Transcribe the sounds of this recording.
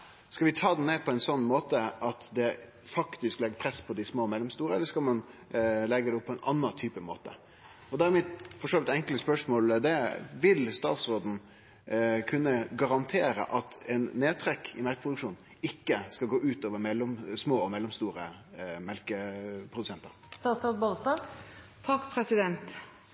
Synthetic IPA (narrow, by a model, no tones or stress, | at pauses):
skɑlʋɪt̪ʰɑːd̪ɛnneːpʰɔɛɪnsɔnːmoːt̪əʔɑt̪d̪ɛ | fɑkt̪ɪsklɛɡːəpʰɾɛspʰɔd̪ɪsmoːmɛlːɔmst̪uːɾəɛlːəʂskɑlmɑnlɛɡəd̪ɛʊpʰːɔɛɪnʔɑ̰nːɑt̪ʰyːpəmo̰ːt̪ə̰ | ɔd̪ɛæɾmɪt̪fɔʂoːʋɪt̪ɛŋkləspœʂmoːld̪ɛʋɪlst̪ɑ̰ːt̪sɾoːd̪n̩ | kʰʉnːəɡɑɾɑnt̪ʰeːɾə̰ʔɑt̪ɛnːeːt̪ʰɾɛkːʰɪ̰mɛlkəpʰɾʊd̪ʉkʂuːn | ɪkːəskɑlɡoːʔʉːt̪oːʋəɾmɛlːɔmsmoːɔmɛlːɔmst̪uːɾəmɛlkəpʰɾʊd̪ʉsɛnt̪əɾst̪ɑːt̪sɾoːd̪bolst̪ɑɡ | t̪ʰɑkːpʰɾɛsɪd̪ɛnt̪